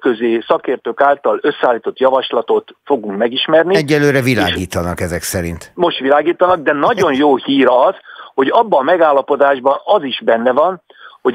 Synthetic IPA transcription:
køzeːsɒkeːrt̪øːkaːlt̪ɒlø̞sːɛaːlːiːt̪o̞t̪jɒvɒʃlɒt̪o̞t̪foɡuŋkmɛɡiʃmɛrniɛɟːɛlːøːɾɛvila̰ːɡiːt̪ɒnɒkɛzɛksɛɾḭnt̪mo̞ʃt̪ʋilaːɡiːt̪ɒnɒɡ̚d̪ɛnɒɟo̞njoːhiːɾɒz̥ho̞ɟɒbːɒmɛɡaːlːɒpo̞d̪aːʒbɒnɒziʒbɛnːɛvɒn | ho̞

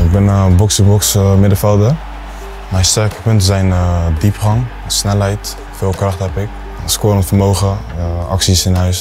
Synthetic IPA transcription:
ɪɡ̚bɪnbɔksəbɔksmɪdəfɛlˠdə | mɛjstɛɹkə̥pɵntəzɛjndipχɑŋ | snɛlɦɛjt | fɪːlˠkrɑχtɦɛpɪk̚ | skoɔntfərmowχəɑ̰ksisɪnɦœɥs

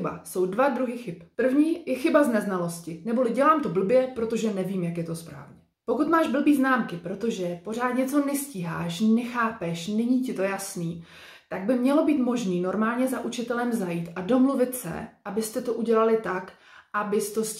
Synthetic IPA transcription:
ɪba̰so̞wdvad̪ɾuɦixɪppr̩vɲiːjɛxɪbaznɛznalo̞scɪnɛbo̞lɪɟɛlaːmt̪o̞bl̩bjɛpɾo̞t̪o̞ʒɛnɛviːmjakjɛt̪o̞spɾa̰ːvɲɛ | po̞kut̪maːʒbl̩biːznaːmkɪpɾo̞t̪o̞ʒɛpo̞r̝aːt̪ɲɛt͡so̞nɛsciːɦa̰ːʃnɛxaːpɛʃnɪɲicɪt̪o̞jasniː | t̪aɡ̚bɪmɲɛlo̞biːt̪mo̞ʒniːnoɾmaːlɲɛzaʔut͡ʃɪt̪ɛlɛmzajiːt̪ʔado̞mluvɪt̪sɛ̰ʔabɪst̪ɛt̪o̞ʔuɟɛlalɪt̪ak | ʔabɪst̪os

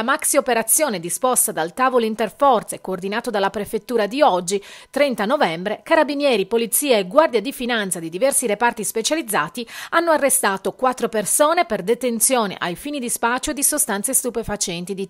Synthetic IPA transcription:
amaksiopeɾat̪sːjoːned̪ispɔst̪ad̪alt̪aːvoloint̪erfɔrt̪sekoːrd̪inaːt̪od̪alːapɾefet̪ːuːɾad̪iɔd͡ʒːit̪ɾɛnt̪anovɛmbɾekaɾabinjɛːɾipolit̪sːiːaeɡward̪jad̪ifinant̪sad̪id̪ivɛrsiɾepart̪ispet͡ʃalid̪zːaːt̪ianːoarːest̪aːt̪okwat̪ːɾopersoːneperd̪et̪ent̪sjoːnḛʔajfiːnid̪ispat͡ʃːod̪isost̪ansest̪upefat͡ʃɛnt̪id̪i

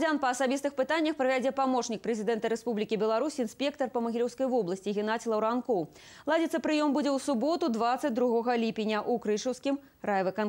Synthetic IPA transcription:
d͡zʲanpɐːsabʲist̪ɨxpɨt̪anʲːɐxpɾɐvʲad͡zʲɛpamɔt͡ʂnʲik̚pɾɛzʲid̪ɛnt̪ɐɾɛspublʲikʲibʲɛlˠaɾusʲinsʲpʲɛkt̪ɐrpɐmɐɣʲilʲɛwskɐjvɔblˠɐsʲt͡sʲiɣʲin̪at͡sʲlˠɐwɾankɔw | lˠad͡zʲɛt̪sːɐpɾɨjɔmbud͡zʲɛwsubɔt̪ud̪vat̪sːɐt͡sʲd̪ɾuɣɔɣɐlʲipʲinʲɐʔukɾɨʂɐwskʲim | ɾajvɨkan

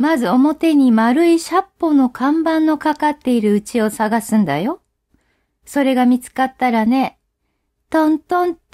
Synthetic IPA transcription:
mazɨo̞mo̞t̪e̞ɲ̟imaɾɯ̟iɕapːo̞no̞kʰãmbãnːo̞kakat̪ːe̞iɾɯ̟ɯ̟t͡ɕio̞saɡasɨ̃nd̪a̰jo̞ | so̞ɾe̞ɡamʲit͡sɨ̥kat̪ːaɾane̞ | t̪õnt̪õn

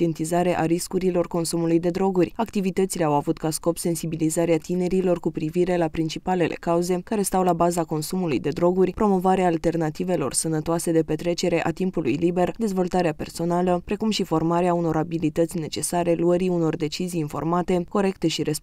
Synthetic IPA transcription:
ent̪izaɾe̞ʔaɾiskuɾilo̞rko̞nsumulujd̪e̞d̪ɾo̞ɡurʲakt̪ivit̪ət̪sile̞awavut̪kasko̞pse̞nsibilizaɾeat̪ine̞ɾilo̞rkupɾiviɾe̞lapɾint͡ʃipale̞lʔe̞̰kauze̞kaɾe̞st̪awlabazako̞nsumulujd̪e̞d̪ɾo̞ɡurʲpɾo̞mo̞vaɾeaːlt̪e̞rnat̪ive̞lo̞̰rsənət̪oase̞d̪e̞pe̞t̪ɾe̞t͡ʃe̞ɾe̞ʔat̪impulṵjlibe̞rd̪e̞zvo̞lt̪aɾeape̞rso̞naləpɾe̞kumʃifo̞rmaɾeauno̞ɾabilit̪ət̪sʲne̞t͡ʃe̞saɾe̞luəɾiuno̞rd̪e̞t͡ʃizijinfo̞̰rmat̪e̞ko̞ɾe̞kt̪e̞ʃiɾe̞s

